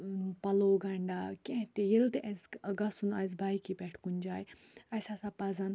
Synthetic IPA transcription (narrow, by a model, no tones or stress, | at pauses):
pɐloːɡɐɳɖaːkẽɦt̪ejelt̪eʔɐsɡɐsunɐs̬bʱajkipɛʈʰkund͡ʒaːj | ɐsasapɐzan